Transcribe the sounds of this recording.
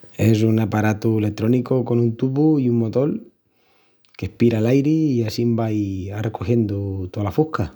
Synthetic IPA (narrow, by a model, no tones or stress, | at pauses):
e̞s̬unapaɾat̪uelet̪ɾo̞nikoko̞nunt̪uβuiuŋmo̞t̪o̞l | ke̞hpiɾaːlajɾiiasimbajarekoxje̞nd̪ot̪oalafuhka